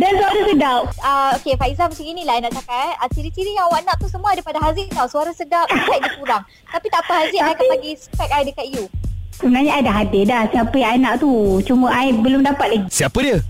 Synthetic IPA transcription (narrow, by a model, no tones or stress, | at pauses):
dansuaɾasədap̚aokefaizamət͡ʃaŋinilaajnaʔt̪akat̪̚ət͡ʃiɾit͡ʃiɾijãŋawaʔnaʔt̪usəmuadepadaɦazɪʔk̪awsuaɾasədap̚kaʔ̚dikuɾaŋ | t̪apit̪aʔpaɦaziʔajkanpaɡispɛk̪̚ajdəkat̪ijusəbənaɲaajdaɦadɪdahsiapəjaŋanaʔt̪ut͡ʃuməʔajbəlʊmdapat̪̚laɡisiapədiə